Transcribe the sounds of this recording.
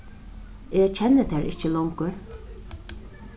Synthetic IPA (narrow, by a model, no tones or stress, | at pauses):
eːt͡ɕʰɛnːət̪ʰɛːɾʔɪ̰t͡ʃəlɔwŋkəɹ